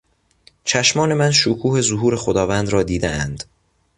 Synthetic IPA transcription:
t͡ʃʰæʃmɒːne̞mænʃokʰuːhe̞zoɦuːɾe̞xod̪ɒːvænd̪ɾɒːd̪iːd̪ḛænd̪̥

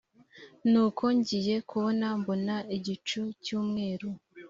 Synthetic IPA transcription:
nuːkʰo̞ɲɟije̞kʰuβo̞nambo̞naiɟit͡ʃucuːmŋe̞ːɾu

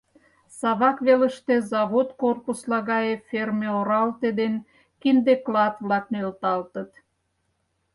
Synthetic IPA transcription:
sɑβɑkβeləʃt̪ezɑβot̪korpuslɑɣɑjefermeoɾɑlt̪ed̪en | kind̪eklɑt̪vlɑk̚nølt̪ɑlt̪ət̪

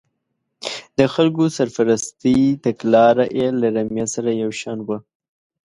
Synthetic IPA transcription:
d̪əxalkosaɾfaɾast̪it̪aklɑɾaʔelaɾamjasaɾajawʃɑnwə

